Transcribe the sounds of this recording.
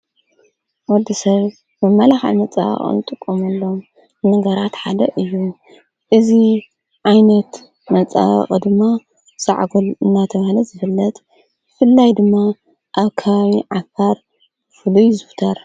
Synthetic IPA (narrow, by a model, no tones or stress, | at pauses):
wɔd̪ːisɐβ | mɐmːalaxa̰ʕmɐt͡sʼa̰βɐ̰χʼɨ̰nɨt̪ʼɨkʼːomɐlːo̞m | nɐɡɐɾat̪ħad̪ɐʔɨjːu | ʔɨzi | ʕajnɐt̪ | mɐt͡sʼa̰βɐ̰χʼɨd̪ɨmːa | sa̰ʕɡolɨnːat̪ʰɐβahlɐzɨfɨlːɐt̪ | bɨfɨlːajd̪ɨmːa | ʔaβkʰɐβaβiʕafaɾ | fɨlujzɨft̪ʰɐɾ